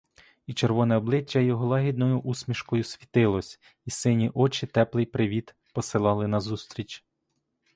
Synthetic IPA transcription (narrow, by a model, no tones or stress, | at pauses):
it͡ʃeɾʋɔnɛɔblˠɪt͡ʃʲːɐjɔɦɔlˠɑɦʲid̪̚nɔjʊʔusʲmʲiʃkɔjʊsʲʋʲit̪ɪlˠɔsʲ | isɪnʲiʔɔt͡ʃɪt̪ɛplˠɪjpɾɪʋʲid̪ | pɔsɪlˠɑlˠɪnɐzust̪ɾʲit͡ʃ